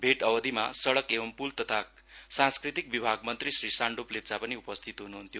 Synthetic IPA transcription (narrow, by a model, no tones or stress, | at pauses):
bʱeʈʌbʌd̪ʱima̰sʌɽʌkebʌmpult̪ʌt̪ʰa | sãnskrit̪ik̚bibʱaɡmʌnt̪risrisaɳɖuplep̚d͡zapʌniupʌst̪ʰit̪ɦunuɦunt̪jo